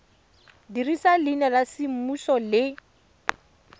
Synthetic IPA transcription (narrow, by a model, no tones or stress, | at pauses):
dirisalinɛlasimusɔlɪ